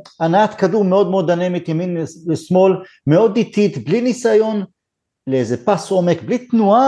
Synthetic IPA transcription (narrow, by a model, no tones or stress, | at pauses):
anaat̪kadumeo̞d̪̚meo̞d̪anemit̪jaminlesmo̞l | meo̞d̪it̪it̪blinisajo̞n | leezepasʔo̞me̞kblit̪nua